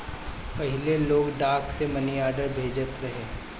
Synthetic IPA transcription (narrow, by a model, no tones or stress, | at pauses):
pɐɦɪleloːɡɖaːksemɐniaːɖəɾbʱeːd͡ʒət̪ɾɐɦeː